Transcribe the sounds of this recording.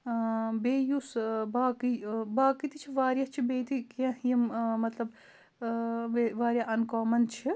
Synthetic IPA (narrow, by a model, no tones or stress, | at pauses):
beːjusbaːkibaːkit̪it͡ʃʰiʋaːɾjɐt͡ʃʰibeːt̪ikɐ̃hjɐmmɐt̪lɐb | ʋeʋaːɾʲjaʔɐnkɔːmɐnt͡ʃʰi